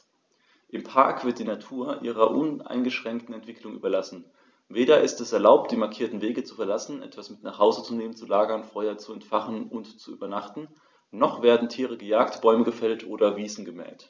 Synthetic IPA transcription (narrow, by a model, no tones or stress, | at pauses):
ʔɪmpʰaɐkv̥ɪɐtd̥iːnatʰuːɐʔḭːʁɐʔʊna̰ɪnɡəʃʁ̥ɛŋk̚tn̩ɛntv̥ɪklʊŋʔy̰ːbɐlasn̩ | veːɾɐʔɪstɛsɛɐlaʊp̚t̚d̥iːmaɐkʰiːɐtn̩veːɡət͡sufɛɐlasn̩ʔɛ̰tv̥asmɪtnaːχhaʊzət͡suneːmənt͡sulaːɡɐnfɔʏɐt͡suɛntfaχn̩ʊntt͡suʔy̰ːbɐnaχtn̩ | nɔχv̥eːɐdn̩tʰiːʁəɡəjaːktb̥ɔʏməɡəfɛltʔoːdɐviːzn̩ɡəmɛ̰ːlt